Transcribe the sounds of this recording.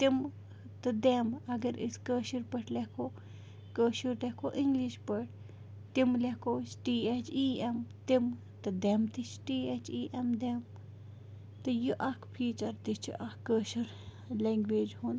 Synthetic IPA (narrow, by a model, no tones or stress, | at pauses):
t̪im | t̪ɨd̪eːmɐɡɐɾḭskəːʃiɾpɐʈʰlɛkʰoː | kəːʃiɾlekoːʔiŋɡliʃpəʈ | t̪imlekoːt͡ʃʰʈiːet͡ʃʰiːemt̪im | t̪ɨd̪emt̪it͡ʃʰʈiːet͡ʃiːʔemd̪eːm | t̪ɨjuʔɐkʰpʰiːt͡ʃɐɾd̪it͡ʃʰḭʔɐkːəːʃɐɾ | leŋɡʋeːd͡ʒɦun